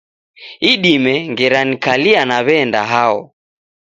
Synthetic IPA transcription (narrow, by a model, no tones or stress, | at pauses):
iɗimɛŋɡɛɾanikalianaβɛnda̰ɦaɔ̰